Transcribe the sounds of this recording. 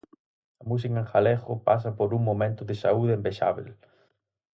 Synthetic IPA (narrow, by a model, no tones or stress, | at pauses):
ɐmus̬ikaŋxalexʊpas̬ɐpoɾuŋmõmẽnt̪ʊðɪsauðeembeʃa̰βḛl